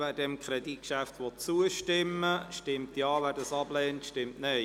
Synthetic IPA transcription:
vɛːdɛmkʰχɾɛdit̚kʃæftʋɔtt͡suəʃtɪmːəʃtɪmtjɑːvæːɾdɑsɑb̥lɛːntʃtɪmtneɪ

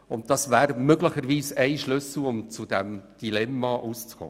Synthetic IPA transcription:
ʊnt̚d̥ɑsvæːɾmøɡləχəɾʋiːsæɪʃlʏsl̩ʊmt͡sʊdɛmd̥ilɛmːɑʔuːst͡skʰɔ̰ː

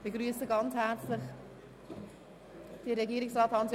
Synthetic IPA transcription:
b̥eɡɾyːəsəɡɑnt͡shæɾt͡slɪχ | d̥iɾɛɡiːɾɪksrɑːthɑnsj

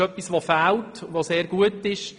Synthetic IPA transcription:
œpːisʋofæltʋoseːrɡuətɪʃ

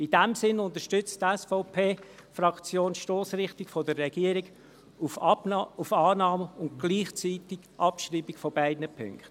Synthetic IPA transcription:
idɛmsɪnʊnt̪əʃtʏt͡stɛsfɔʊpʰeːfɾɑkt͡sjoːnʃtoːsrɪχtikfɔdərːɛɡiəɾiɡ | u | ufɑːnɑːməʊntɡ̥liːχt͡siːtɪɡ̥ʔɑpʃriːbikfɔbæɪdnəpʰʏ̰ŋkt

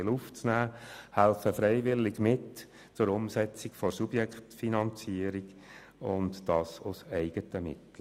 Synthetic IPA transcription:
luft͡snæːhælfəfɾɛɪʋɪlːɪɡmɪt | t͡sʊɾʊmsɛt͡sikfɔɾsubjɛkχtfinɑnt͡siəɾiɡ | ʊndd̥ɑːsʊsɛɪɡətəmɪ̰tl̩

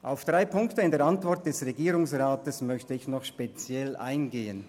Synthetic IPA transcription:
ʔaʊfd̥ʁaɪpʰʊŋktəɪndeːɐantv̥ɔɾt̚d̥ɛsʁeɡiːɾʊŋsʁaːtəsmœçtəɪçnɔχʃpet͡sjɛlʔa̰ɪnɡeːən

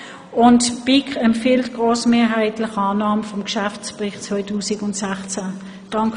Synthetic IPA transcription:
ʊntb̥ɪkɛmfiltɡ̥ʁoːsmeːɐɦaɪtlɪχɑːnɑːməfɔmkʃæft͡spʁɪχtt͡svɔɪtʰuːsɪɡʊntsæχt͡sæ | d̥ɑŋk

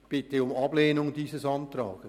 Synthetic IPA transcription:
b̥ɪtəʊmɑb̥leːnʊŋdiːsəsɑntrɑ̰ːɡ̥ə

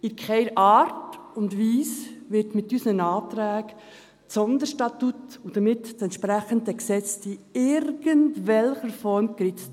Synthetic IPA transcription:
ɪkχɛɪɾʔɑːɾtʊndʋiːsʋɪɾtmɪtːysnənɑːtɾæːk | sɔnd̪əɾʃtɑtutud̥əmɪtt͡sɛntʃpɾæχəndəksɛt͡stiɪɾɡ̥əntʋɛlχəɾfɔɾmkɾɪt͡st

